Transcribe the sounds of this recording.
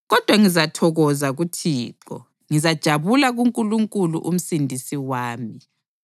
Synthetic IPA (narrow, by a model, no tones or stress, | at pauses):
ɣɔd̥ʱwaŋizatʰɔɣɔzaɣutʰiːǃɔ̰ | ŋizad̥ʒ̥ʱaβulaɣuŋkʼuluŋkʼulṵʔum̩sindʱisiwaːmi